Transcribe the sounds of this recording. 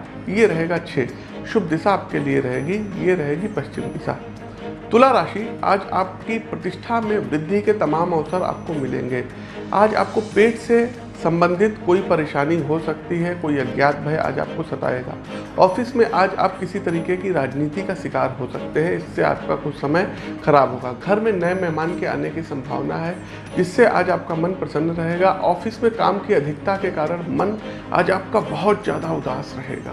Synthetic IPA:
jeɾɐɦeːɡatːʃʰeː | ʃʊbʱd̪ɪsaːp̚kelieɾɐɦeːɡijeɾɐɦeːɡipɐʃt͡ʃɪmd̪ɪsa̰ː | t̪ʊlaɾaːʃia̰ːd͡ʒa̰ːp̚kipɾɐt̪ɪʃʈʰamẽʋɾɪd̪ʱːiket̪ɐmaːmɐʋsəɾa̰ːp̚komɪlḛ̃ːŋɡeː | a̰ːd͡ʒa̰ːp̚kopeːʈse | sɐ̃mbə̃nd̪ʱɪt̪koːipɐɾeːʃaːniɦosɐk̚t̪iɦɛkoːiɐɡjaːt̪̚bʱɐja̰ːd͡ʒa̰ːp̚kosɐt̪a̰ːḛːɡa̰ː | ɔːfɪsmẽʔaːd͡ʒa̰ːp̚kɪsit̪ɐɾiːkekiɾaːd͡ʒniːt̪ikaʃɪkaːɾɦosɐk̚t̪eɦɛ̃ɪsːea̰ːp̚kakʊt͡ʃʰsɐməjxɐɾaːbɦoːɡaːɡʱɐɾmẽnɐemɛɦmaːnkea̰ːnekisɐ̃mbʱa̰ːʋnaɦɛ | d͡ʒɪsːeʔa̰ːd͡ʒaːp̚kamɐnpɾɐsə̃nd̪ɾɐɦeːɡaʔɔːfɪsmẽka̰ːmkiɐd̪ʱɪkt̪akekaːɾəɽ̃mɐn | a̰ːd͡ʒaːp̚kabɐɦʊt̪zja̰ːd̪aʊd̪a̰ːsɾɐɦḛːɡa̰ː

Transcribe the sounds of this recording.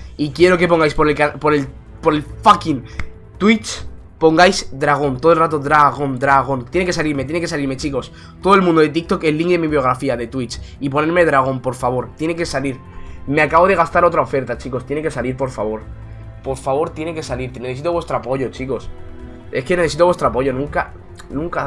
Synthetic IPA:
ikje̞ɾo̞ke̞p̬o̞ŋɡajspo̞ɾelkapo̞ɾel | po̞ɾe̞lfakin | t̪wit͡ʃ | po̞ŋɡajsd̪ɾaɣ̞o̞nt̪oðlrat̪̬o̞ðɾaɣ̞o̞nd̪ɾaɣ̞o̞ntt̪je̞neke̞saliɾmet̪jenekesaliɾme̞t͡ʃiko̞s | t̪oðoe̞lmũnd̪o̞ðe̞t̪̬ik̚t̪o̞kelːiŋɡðe̞miβjo̞ɣ̞ɾafiaðe̞t̪wit͡ʃip̬o̞ne̞ɾme̞ðɾaɣ̞o̞mpo̞ɾfaβ̞o̞ɾt̪je̞neke̞saliɾ | me̞akaβo̞ð̞e̞ɣ̞ast̪aɾo̞t̪ɾaofe̞ɾt̪at͡ʃiko̞st̪jeneke̞saliɾpo̞ɾfaβ̞o̞ɾ | po̞ɾfaβ̞o̞ɾt̪je̞neke̞saliɾt̪ene̞θe̞s̬it̪owest̪ɾoapo̞ʝo̞t͡ʃiko̞s | e̞skene̞θe̞sit̪oβwe̞st̪ɾoapo̞ʝo̞nũŋka | nũŋka

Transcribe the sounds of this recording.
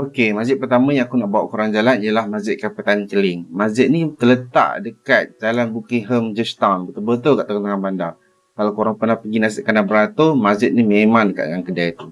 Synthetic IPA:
okemazd͡ʒɪt̪̚pərt̪amajãŋakunaʔbawa̰ʔkuɾaŋd͡ʒalanijalahmad͡ʒɪt̪̚kapət̪anikəlɪŋmad͡ʒɪt̪̚nit̪ələt̪a̰ʔdəkat̪̚d͡ʒalanbukiɦəmd͡ʒəst̪awnbət̪ubət̪ʊlkaʔt̪aŋat̪aŋanbandar | kalakoɾaŋpərnahpəɡinas̬iʔ̚kanabəɾat̪ʊmad͡ʒɪt̪̚nimemãŋndəka̰ʔdəŋankədajit̪u

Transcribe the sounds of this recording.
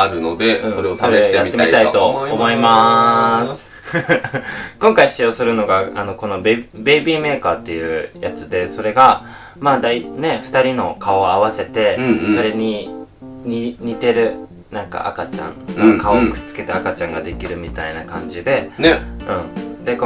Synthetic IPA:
aɾɯ̟no̞d̪e̞ɯ̟̃soɾeosoɾejjatmːeamit̪ait̪o̞ːmo̞imasɨ̥ | kõ̞ŋkaiɕt͡ɕiosɨɾɯ̟no̞ɡaano̞ko̞no̞bbe̞ibʲime̞ːkaːt̪ːe̞jɯ̟ːja̰t͡sɨd̪e̞so̞ɾe̞ɡa | maːd̪aine̞ɸɯ̥t̪aɾʲino̞kao̞aβase̞t̪e̞so̞ɾe̞ɲ̟i | ɲiɲ̟it̪e̞ɾɯ̟ | nãŋka̰ʔa̰kat͡ɕã̰nakaokɯ̟̥t͡sɨ̥ke̞t̪eakat͡ɕãŋɡad̪e̞kʲiɾɯ̟mʲit̪ainakã̰ɲ̟d͡ʑid̪e̞neɯ̟̃ɴd̪e̞k

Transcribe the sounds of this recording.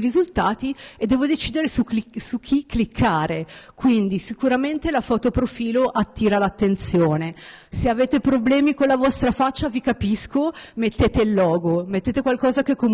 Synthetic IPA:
ɾizult̪aːt̪ied̪ːɛːvod̪et͡ʃiːd̪eɾesusuk̟ʰːikːlikʰːaːɾekwind̪isikuɾament̪elafɔːt̪opɾofiːloʔat̪ːiːɾalat̪ːent̪sjoːneseaveːt̪epɾoblɛːmikonlavɔst̪ɾafat͡ʃːavikapiskomet̪ːeːt̪eilːɔːɡomet̪ːeːt̪ekwalkɔːzakekːom

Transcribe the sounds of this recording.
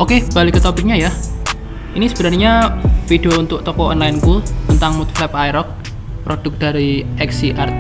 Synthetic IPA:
okeb̥a̤lɪkːət̪opɪk̚ɲaja | inisəb̥ənarɲafid̥ount̪ʊʔ̚t̪ɔkɔɔnlaɪnkult̪ənt̪aŋmut̪flɛpajɾɔk̚ | pɾod̥ʊk̚d̥a̤ɾiɛksiʔart̪

